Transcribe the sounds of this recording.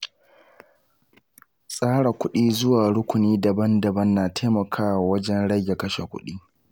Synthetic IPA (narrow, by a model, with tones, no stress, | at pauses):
sʼaː˦ɽa˨kʷʊ˦ɗiː˦zʊ˦waː˨ɽʊ˦kʷʊ˨niː˦dɐ˨bɐ˦ndɐ˨bɐ˦nːaː˨tʰa˦mɐ˨kʰaː˦wa˨wɐ˦d͡ʒɛ˦nɽɐ˦jʲe˨kɐ˦ʃe˨kʷʊ̰˦ɗiː˦